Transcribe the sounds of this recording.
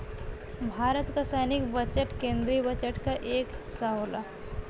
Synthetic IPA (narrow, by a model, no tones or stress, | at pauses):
bʱaːɾət̪kasɛjnɪk̚bət͡ʃəʈkẽːnd̪ɾiːbət͡ʃəʈkaʔeːkɦɪsaɦoːla̰